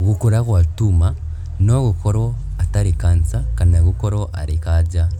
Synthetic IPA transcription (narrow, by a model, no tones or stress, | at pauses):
ɣukuɾaɣwatuma | noɣukoɾo | ataɾikant͡sakanaɣukoɾoʔa̰ɾikaɟa